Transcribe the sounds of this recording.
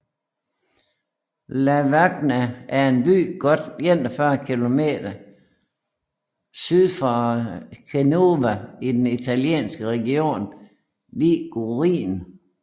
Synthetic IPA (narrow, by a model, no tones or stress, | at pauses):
læʋaɡ̥næʔːɐe̝nb̥y̰ːɡ̥ɒd̥jen̰d̥əfɶɐkʰilo̝me̝̰ːd̥ɐ | syð̞ˠfɒkʰeno̝ʋæid̥enit͡sʰæljḛːnsɡ̥əʁɛɡio̝̰ːn | liːɡ̥oʁḭːn